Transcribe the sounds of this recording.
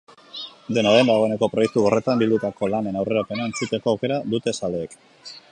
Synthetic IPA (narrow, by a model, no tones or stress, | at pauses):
d̪e̞naðend̪aɣ̞o̞e̞ne̞ko̞pɾo̞je̞k̚t̪uɣore̞t̪ambild̪ut̪ako̞lane̞nawre̞ɾape̞nae̞nt͡sut̪e̞ko̞awke̞ɾaðut̪e̞saleːk